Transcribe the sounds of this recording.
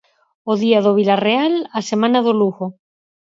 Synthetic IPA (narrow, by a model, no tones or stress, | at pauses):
oðiaðoβ̞ilarealasemãnaðoluɣo